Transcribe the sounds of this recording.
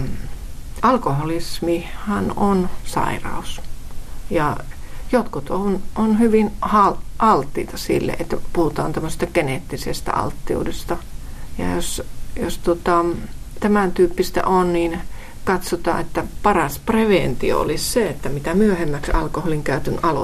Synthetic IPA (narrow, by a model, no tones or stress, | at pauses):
ʔɑlkoholismihænonsɑ̰irɑ̰us | jɑjot̪kut̪onʔonhyʋinhɑlʔɑlt̪ːiːt̪ɑsḭlːḛʔet̪ːæpuhut̪ɑːnt̪æmːøse̥st̪ɑkenet̪ːisḛst̪æ̰ʔɑ̰lt̪ːiṵudest̪ɑjɑ̰josjost̪uot̪ɑt̪æmænt̪yːpːist̪æ̰ʔonniːn | kɑt̪sot̪ɑ̰ːʔet̪ːæpɑrɑspreʋent̪io̰o̰lisseet̪ːæmit̪æmyøhemːæksɑ̰lkoholiŋkæˑyt̪ynʔɑlo̰